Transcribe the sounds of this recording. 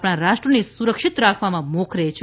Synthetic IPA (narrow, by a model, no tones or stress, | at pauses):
pɽ̃aɾaʃʈɾənesuɾəkʃit̪ɾakʰʋamãmokʰɾet͡ʃʰ